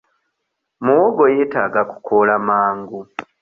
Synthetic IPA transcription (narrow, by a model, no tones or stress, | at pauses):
muoɡojeːtaːɡaku̥kʰolamaːŋɡu